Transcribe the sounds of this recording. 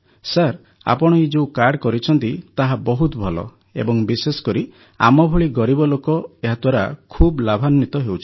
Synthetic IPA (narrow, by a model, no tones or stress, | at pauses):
saɾ | a̰pɔɽ̃ɔid͡ʒeukaɾɖkɔɾit͡ʃʰɔnt̪it̪aɦabɔɦut̪ɔbʱɔlɔ̰ | ḛbɔŋbisesɔ̥kɔɾi | a̰mɔbʱuɭiɡɔɾibɔlokɔeɦat̪waɾa̰kʰublabʱanɔːit̪ɔɦewt͡ʃʰi̥